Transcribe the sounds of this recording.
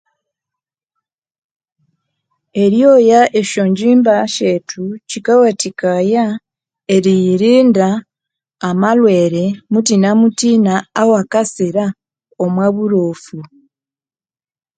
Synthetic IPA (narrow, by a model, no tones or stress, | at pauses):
e̞ɾjojaʔeʃoɲɟiːmbaʃetʰucikawatikaja | eɾijiɾiːndaː | malwe̞ːɾe̞mut̬inamutiːnaːwakasiɾa | omwaːβuɾoːfu